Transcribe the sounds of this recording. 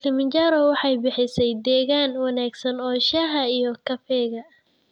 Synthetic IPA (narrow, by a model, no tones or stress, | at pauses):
kʰɐmɪɲt͡ʃaːɾɔwɑħɑjbɪħɪsɛjd̪ɛːɣaːnwɑnaːɡsɐnɔːʃɐɦɐijɔkʰɐfɛːɣɐ